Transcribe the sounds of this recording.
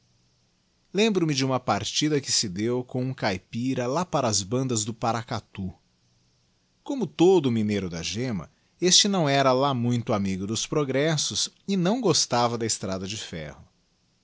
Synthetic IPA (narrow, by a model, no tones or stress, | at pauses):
lẽmbɾʊmɪd͡ʒɪũmɐpaɾt͡ʃid̪ɐkɪsɪd̪ewkõũkajpiɾɐlapaɾɐzbɐ̃nd̪ɐzd̪ʊpaɾakat̪u | kõmʊt̪od̪ʊːminejɾʊd̪ɐʒẽmɐ̰ | est͡ʃɪnɐ̃w̃ɛɾɐlamũj̃t̪ʊamiɡʊd̪ʊspɾoɡɾɛsʊs | ɪnɐ̃w̃ɡost̪avɐd̪ɐɪst̪ɾad̪ɐd͡ʒɪfɛ̰hʊ